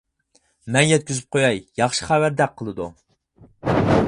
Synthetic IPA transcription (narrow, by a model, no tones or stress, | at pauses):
mɛnjɛt̪̚ʲkʲyzyp̚qʰojɑjjɑχʃɨ̥χæwæɾd̪ɛqʰːəlˠɨd̪u